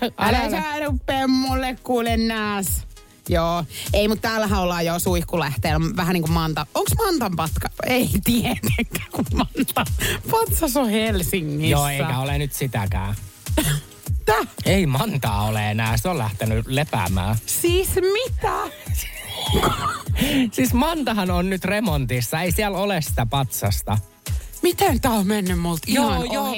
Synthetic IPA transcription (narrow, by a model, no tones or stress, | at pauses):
ɑlsɑinuppemːolːekkuːlenːæːs | joːeimut̪t̪æːlːæɦæ̃olːɑːjoːsuikuleht̪eːlmʋæhæniːŋkummɑnt̪ɑoŋksmɑnt̪ɑmpɑt̪kɑeit̪iet̪eŋkːæ̥ːkummɑnt̪ɑpɑt̪sɑsohelsiŋːijjosːeiikæolenyt̪sit̪ækæ̰ː | t̪æeimɑnt̪ɑ̰ːoleenæːsiollæht̪enylepæ̰mæ̰ːsiːsmit̪æ | k | sismɑnt̪ɑhɑnonnyt̪remont̪isːɑeisiælolessit̪æpɑt̪sɑst̪ɑ | mit̪æt̪æomenːymmult̪jojo